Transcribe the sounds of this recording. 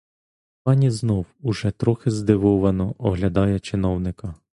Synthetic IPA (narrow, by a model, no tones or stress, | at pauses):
pɑnʲiznɔwʊʒɛt̪ɾɔxɪzd̪ɪʋɔʋɐnɔʔɔɦlʲɐd̪ɑjɛt͡ʃɪnɔwnɪkɐ